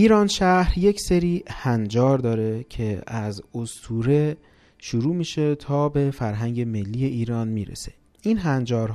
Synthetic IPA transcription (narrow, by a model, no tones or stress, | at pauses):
ʔiːɾɒːnʃæɾje̞cʰse̞ɾiːhænd͡ʒɒːɾd̪ɒːɾe̞cʰe̞æzost̪ʰuːɾe̞ | ʃuɾuːmiːʃe̞t̪ʰɒːbe̞fæɾɦæŋɟe̞me̞lːiːje̞ʔiːɾɒːnmiːɾḛse | ʔiːnɦænd͡ʒɒːɾɦ